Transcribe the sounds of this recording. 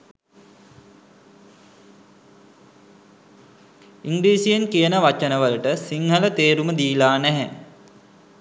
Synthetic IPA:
iŋɡliːsijənkijənəʋat͡ʃənəʋəlʈəsiŋɦələt̪eːɾuməd̪iːlaːnɛɦɛ̰

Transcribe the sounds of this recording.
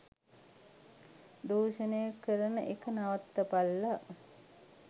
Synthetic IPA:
d̪oːʃənəjakːəɾənəʔekənaʋat̪ːəpalːa

